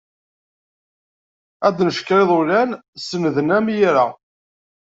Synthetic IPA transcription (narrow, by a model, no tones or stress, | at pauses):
æd̪nəʃkːɾeðˤʊlænsənðənæmjiɾa